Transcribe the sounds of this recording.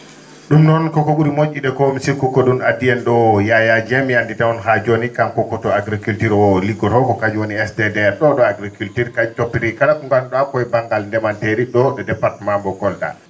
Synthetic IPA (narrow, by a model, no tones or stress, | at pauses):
ɗumnɔnkɔkɔɓuɾimot͡ʃʲːiɗɛkɔmisikukɔɗunadiɛnɗɔjajad͡ʒɛmjanditawɔnɦad͡ʒonikamkɔkːɔtɔaɡɾikultiɾɔliɡɔɾhɔkɔkad͡ʒuwoniɛsdɛdɛɛɾɗɔɗɔaɡɾikultiɾkad͡ʒutopːiɾikalakuŋɡanɗɔakɔjbaŋɡalndɛmanteɾiɗɔɗɔdɛpːaɾtɛmambɔkɔlda̰